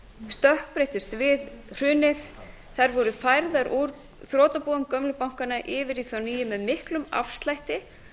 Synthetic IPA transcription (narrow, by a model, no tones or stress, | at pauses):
st̪œhk̚pɾejht̪ʏst̪vɪðr̥ʏːnɪθ | θaɾvɔɾʏfajɾðaɾʔuɾ | θɾoːt̪apuːamkœmlʏpawŋ̥kanaʔɪːvɪɾiθawniːjʏmɛðmɪhklʏma̰fst̪lajht̪ɪ